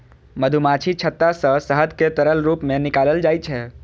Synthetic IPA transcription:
məd̪ʱumat͡ʃʰit͡ʃʰət̪ːasə̃səɦəd̪ket̪əɾəlɾuːpmẽnɪkaːləld͡ʒaːjt͡ʃʰɛ

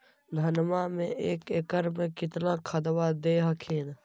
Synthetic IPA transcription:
d̪ʱənmamẽʔeːkeːkəɾmẽkɪt̪nakʰəd̪ʋad̪eːɦəkʰeːn

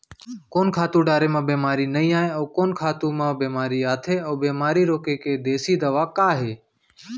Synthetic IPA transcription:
koːnkʰaːt̪ũːɖaːɾeːmãːbeːmaːɾiːnəĩːaːɦẽəːkoːnkʰaːt̪ũːmãːbeːmaːɾiːaːt̪ʰeːəːbeːmaːɾiːɾoːkeːkeːd̪eːsiːd̪əʋaːkaːɦeː

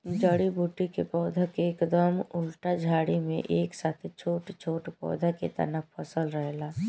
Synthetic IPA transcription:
d͡ʒəɽibʱuːʈːikepɔːd̪ʱəkeːkd̪əmʊlʈad͡ʒʱaːɽimẽʔeːksaːt̪ʰet͡ʃʰoːʈt͡ʃʰoːʈpɔ̰ːd̪ʱəkḛt̪ɐ̰nəppʰəsəlɾəɦlaː

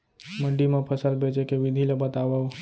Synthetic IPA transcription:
məɖimẽpʰəsəlbʱet͡ʃekeʋid̪ʱilebət̪aʋəu

